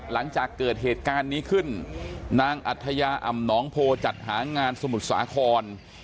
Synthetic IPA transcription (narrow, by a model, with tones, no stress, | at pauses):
la˩˦ŋt͡ɕaː˨˩kːɤː˨˩t̪̚ɦeː˨˩t̪̚kaː˧nːiː˦˥kʰɯ˥˩nːaː˧ŋʔa̰˨˩t̪ʰːa˧jaː˧ʔa̰˨˩mnɔː˦˥ŋpʰoː˧t͡ɕa˨˩t̪̚ha̰ː˩˦ŋaː˧nsa˧mu˨˩t̪̚sa̰ː˩˨˦kʰɔː˧n